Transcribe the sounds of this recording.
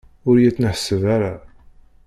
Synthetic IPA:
ʊɾjæt͡sːnəħəsːəvaɾa

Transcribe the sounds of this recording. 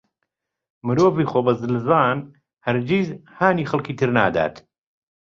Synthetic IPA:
mɨɾoːviːxoːbɐzɨlzaːn | hɐɾd͡ʒiːzhaːniːxɐlˠkiːt̪ʰɨɾna̰ːd̪a̰ːt̪

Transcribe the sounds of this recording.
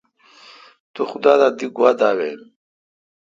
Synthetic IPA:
t̪uxud̪aːd̪ad̪iɡuwad̪aːwem

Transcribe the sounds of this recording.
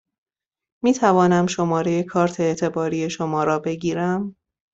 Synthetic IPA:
miːt̪ʰævɒːnæmʃo̞mɒːɾe̞je̞kʰɒːɾt̪ʰeːt̪ʰe̞bɒːɾiːe̞ʃo̞mɒːɾɒːbe̞ɟiːɾæm

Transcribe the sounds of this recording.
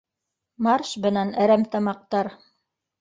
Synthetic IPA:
mɑrʃbɤ̆nænæɾæmt̪ɑmɑq̚t̪ɑɾ

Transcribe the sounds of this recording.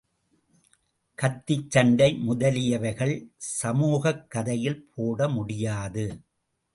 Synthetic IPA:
kɐt̪ːɪt͡ʃːɐɳɖɐɪmʊðɐlɪjɐʋɐɪɣɐɭsɐmuːɣɐkːɐðɐjɪlpʰoːɽɐmʊɽɪjaːðɯ

